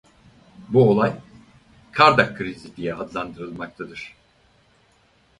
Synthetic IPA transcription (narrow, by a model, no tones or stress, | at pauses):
buolˠaj | kʰaɾd̪akʰːɯɾizid̪ʲijɛad̪lˠand̪ɯɾɯlˠmak̚t̪ʰad̪ɯɾ̥